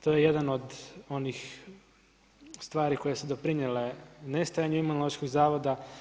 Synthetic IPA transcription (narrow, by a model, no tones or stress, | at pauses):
t̪ojejed̪ano̞d̪o̞nix | st̪ʋaːɾiko̞jesud̪opɾinelenest̪ajaɲuimunolˠoʃkoɡzaːʋo̞d̪a